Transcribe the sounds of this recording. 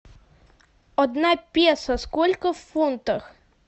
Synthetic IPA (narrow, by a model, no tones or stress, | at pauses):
ɔd̪napʲjɛsɐskɔlʲkɐwfunt̪ɐx